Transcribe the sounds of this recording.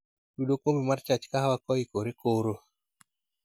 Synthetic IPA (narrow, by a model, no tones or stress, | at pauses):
duɗokwombimart͡ʃat͡ʃkaɦawakɔikoɾekoɾo